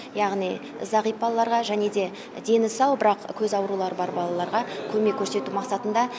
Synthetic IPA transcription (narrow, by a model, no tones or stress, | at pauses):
jɑʁnij | zɑʁijp̚bɑlˠɑlˠɑɾʁɑʒæne̞d̪e̞ | d̪e̞nɪsɑwbɪɾɑqkʲʰɵzɑwɾulˠɑɾəbɑɾbɑlˠɑlˠɑɾʁɑkʲʰɵme̞kʲʰɵɾse̞t̪umɑqsɑt̪ənd̪ɑ